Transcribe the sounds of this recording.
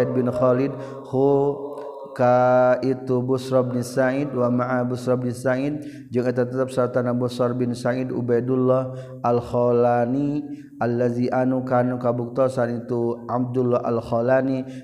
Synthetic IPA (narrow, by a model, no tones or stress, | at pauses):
id̪̚bɪnxɔlid̪̚ | hu | kait̪ubusɾɔbnisaid̪wamaʔabusɾɔbnisaid̪̚ | d͡ʒaŋat̪at̪at̪ap̚sat̪anabɔsɔrbɪnsaidṵbajdulːɔh | ʔalxɔlani | ʔalːaziʔanukanukabuk̚t̪ɔsanit̪uʔam̚dulːɔɦa̰lxɔlani